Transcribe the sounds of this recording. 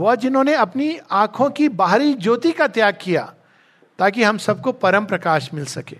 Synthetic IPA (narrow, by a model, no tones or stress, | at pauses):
ɦʊad͡ʒɪnɦõːneɐpniãːkʰõkibaːɦɾid͡ʒoːt̪ikat̪jaːɡ̚kija̰ː | t̪aːkiɦɐ̃msɐb̚kopɐɾə̃mpɾɐkaːʃmɪlsɐkḛː